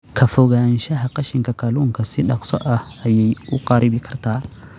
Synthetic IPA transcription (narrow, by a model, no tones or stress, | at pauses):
kʰɐfɔɣaːnʃɐɦɐqɑʃɪŋkʰɐkʰɐluːŋkʰɐsɪɗɑqsɔ̰ʔɐh | ɐjɛjʊqɑɾɪbɪkʰɐrt̪ʰaː